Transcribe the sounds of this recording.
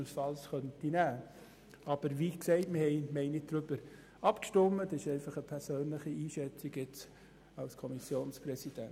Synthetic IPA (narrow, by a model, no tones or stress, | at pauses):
əlsfɑlsχœntinæː | ʔɑb̥əɾʋiːksɛɪtmɪhɛɪmɛɪnɪt̚d̥ɾʏbəɾ | ɑpkʃtʊmːədɪʃɛɪfɑχəpʰɛɾsøːnləχiiːʃɛt͡siɡɪt͡s | ɑlskʰɔmisjoːnsprɛsid̥ɛ̰n